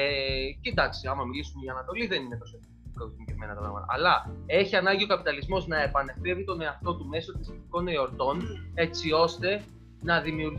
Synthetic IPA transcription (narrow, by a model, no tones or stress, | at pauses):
ced̪ɐksiɐmɐmilisumeiɐnɐt̪o̞liðe̞nine̞t̪o̞so | konicevme̞nɐt̪ɐpɾɐ̰mɐ̰t̪ɐ̰ɐlɐe̞çiɐnɐɲɟio̞kɐpit̪ɐlizmo̞znɐe̞pɐne̞ft̪e̞vit̪o̞ne̞ɐft̪o̞t̪ume̞so̞t̪isit̪iko̞neoɾt̪o̞ne̞t͡sio̞st̪e̞ | nɐðimiuɾ